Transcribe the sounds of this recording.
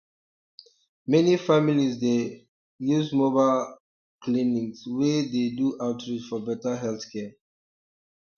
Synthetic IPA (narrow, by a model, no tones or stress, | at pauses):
mɛnifamilisde | juzmobal | klĩnĩŋswededuʔaʊtɹid͡ʒfɔbɛtəɦɛlθkʰɛ